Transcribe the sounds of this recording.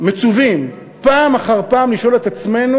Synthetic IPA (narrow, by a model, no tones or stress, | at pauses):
met͡suvim | paːmaχaʁpaːmliʃo̞le̞t̪at͡sme̞nu